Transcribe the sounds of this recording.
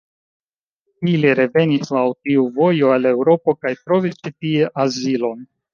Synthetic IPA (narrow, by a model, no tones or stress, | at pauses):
iliɾe̞ve̞nislawtiuvo̞jo̞ale̞wɾo̞po̞kajtɾo̞vist͡ʃitie̞ʔazilo̞n